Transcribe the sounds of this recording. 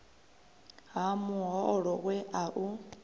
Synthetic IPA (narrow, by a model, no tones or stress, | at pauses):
ɦamuɦɔɔɺɔɣwɛʔaʔu